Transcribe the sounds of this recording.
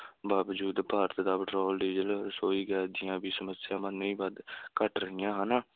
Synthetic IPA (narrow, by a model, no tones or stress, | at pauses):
baːʋəd͡ʒuːd̪paːɾət̪d̪aːpəʈɾɔːlɖ̪iːd͡ʒəlsoːiːɡɛːd̪ɪjãːbiːsəməsɪjãːmənːĩːbəd̪kəʈɾəɦɪjãːɦənaː